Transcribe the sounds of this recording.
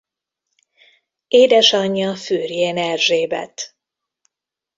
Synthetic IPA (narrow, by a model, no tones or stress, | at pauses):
eːd̪ɛʃɒɲːɒfyːrjeːnɛrʒeːbɛ̰t̪